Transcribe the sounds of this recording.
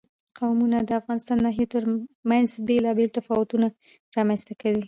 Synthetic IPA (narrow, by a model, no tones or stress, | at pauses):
qawmunad̪əafɣɑnɪst̪ɑnːɑɦijet̪əɾmanzbelɑbelt̪afɑwʊt̪una | ɾɑmanst̪akawi